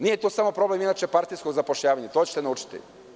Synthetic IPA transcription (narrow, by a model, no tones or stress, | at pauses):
nijet̪uːsamo̞pɾo̞ble̞minat͡ʃepaɾt̪ijskoɡzapo̞ʃʎaːʋaɲet̪ot͡ɕet̪enauːt͡ʃi̥t̪ḭ